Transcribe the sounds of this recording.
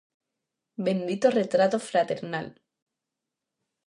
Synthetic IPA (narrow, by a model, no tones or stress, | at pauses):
bend̪it̪oret̪ɾat̪ofɾat̪eɾnal